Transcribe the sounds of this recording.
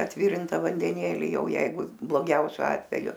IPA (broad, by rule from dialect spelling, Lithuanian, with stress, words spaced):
ɐtʲˈʋʲɪrʲɪntɐ ʋɐnʲdʲɛˈnʲeːlʲɪ ˈjɛʊ ˈjɛɪɡʊ blˠoːˈɡʲɛʊsʲʊ ˈɑːtʲʋʲɛjʊ